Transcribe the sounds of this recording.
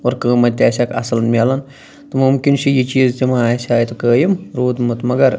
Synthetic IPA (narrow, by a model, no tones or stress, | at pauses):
oɾkəːmɐt̪ʲːaːsʲɐkɐ̰sɐlnmʲaːlɐn | t̪ɐmumkinʃʰijit͡ʃiːzt̪imaːjsʲaːjt̪ɐkəːjimɾuːd̪mɨt̪mɐɡɐɾ